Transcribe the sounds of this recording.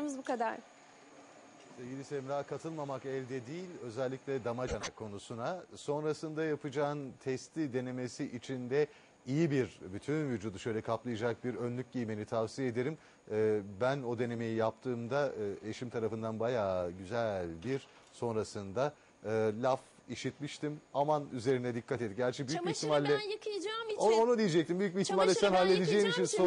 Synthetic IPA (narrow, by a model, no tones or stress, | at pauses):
mɯzbukʰad̪aɾ | sevɟilʲisemɾaːkʰat̪ʰɯlˠmamakɛlʲd̪ɛd̪iːilʲø̞zɛlʲːicʲlʲɛd̪amad͡ʒanakʰːo̞nusunaso̞nɾasɯnd̪ajapʰɯd͡ʒaːnt̪ʰɛst̪ʰid̪e̞ne̞me̞siʔit͡ʃʰind̪ɛ | ijibiɾbyt̪ʰynvyd͡ʒuːd̪uʃø̞jlʲɛkʰaplˠajad͡ʒak̚biɾønlʲyc̚ʲɟijme̞nit̪ʰavsijed̪e̞ɾimː | bæno̞d̪e̞ne̞me̞jijap̚t̪ʰɯːmd̪aɯe̞ʃimt̪ʰaɾafɯnd̪anbajaːɟyzælʲbiɾ | so̞nɾasɯnd̪a | ɯːlʲaf | iʃit̪miʃt̪imamanyze̞ɾind̪ɛd̪ikʰːat̪eiɟæɾt͡ʃʰɛbyjycbiçt̪ʰimalʲːɛkd͡ʒoonud̪ijid͡ʒɛct̪imbyjyc̚biçt̪imalʲːɛsænɦalʲːe̞d̪ed͡ʒejmit͡ʃʰinso